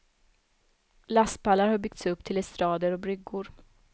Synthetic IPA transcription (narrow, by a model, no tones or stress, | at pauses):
last̪pʰalːaɾhaɾbʏk̚t̪sɵpːt̪ʰɪlɛst̪ɾɑːd̪əɾɔbɾʏɡːʊɾ